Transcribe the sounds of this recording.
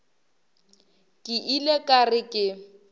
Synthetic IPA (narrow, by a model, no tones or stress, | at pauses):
kʼɪʔilekʼarɪkʼɪ